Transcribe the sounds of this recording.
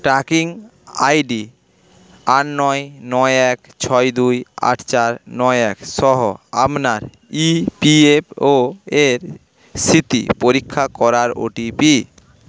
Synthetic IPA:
ʈakiŋ | ajɖi | aʈnɔjnɔjɛk | t͡ɕʰɔjd̪uja̰ʈʰt͡ɕaɾnɔeɛkʃɔɦoa̰mnaɾ | ipiepʰoeɾ | sit̪ḭpoɾikʰːakɔɾaɾo̰ʈipi

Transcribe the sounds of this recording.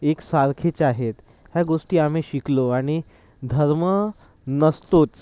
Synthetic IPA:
eksaɾkʰet͡ɕaɦet̪ | ɦjaɡoʂʈiːam̤eɕikloaɽ̃i | d̪ʱəɾmə | nəst̪ot͡s

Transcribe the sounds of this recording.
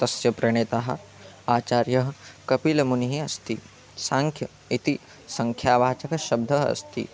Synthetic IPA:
t̪ɐsjɐpɾɐɳ̃eːt̪aɦɐ̰̆ | aːt͡ʃaːɾjɐɦɐkɐpilɐmuniɦiɐst̪i | sãːŋkʰjɐ | it̪i | sɐŋkʰjaːbʱaːt͡ʃɐkɐʃɐb̚d̪ʱɐɦɐɐ̰st̪ḭ

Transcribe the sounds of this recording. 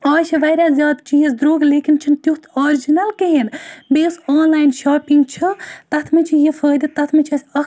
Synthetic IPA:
aːt͡ʃʰiʋɐːɾʲazʲjaːd̪t͡ʃijesd̪ɾoːɡleːkint͡ʃʰint̪jukʰt̪ʰɔːɾid͡ʒinɐlkeɦenbeːsɔːnlaːjnʃaːpiŋɡt͡ʃʰit̪ɐt̪ʰmet͡ʃʰijifʰəːd̪it̪ɐt̪ʰmet͡ʃʰɐsʲɐ

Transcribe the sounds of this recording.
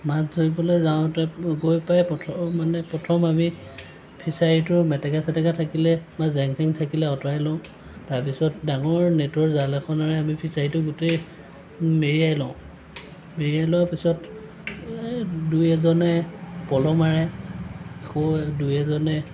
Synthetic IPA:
maszoibɔlejzaʊ̃tɛɡojpajpɔtʰɔmanɛpɔtʰɔmami | pʰisaɹitʊɹmɛtɛkasɛtɛkatʰakilɛmazɛŋsʰɛŋtʰakilɛɔtɔajlɔ̃ʊ̃ | taɹpisɔtdaŋɔɹnetɔɹzalɛxʰɔnaɹɛamipʰisaɹitʊɡʊtej | meɹiajlɔʊ̃ | meɹiajlɔwapisɔt | dujɛzɔnɛpɔlɔmaɹɛ | ɛkodujɛzɔnɛ

